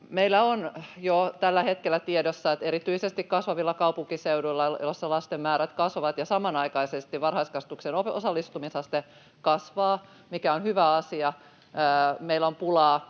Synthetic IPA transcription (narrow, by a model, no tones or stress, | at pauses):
meilːˑæonjot̪ælːæhet̪̚kelːˑæt̪iedosːɑet̪eɾit̪yisest̪ikkɑsʋɑʋilːɑkɑupuŋkiseuduilːɑjosːɑlɑst̪emːæːɾæt̪kɑsʋoʋɑt̪jɑsɑmɑnɑikɑisest̪iʋɑnhɑiskɑst̪uksenoosɑlːist̪umisɑst̪e | kɑsʋɑː | mikæonhyʋæɑsiɑ | əːmeilompulɑː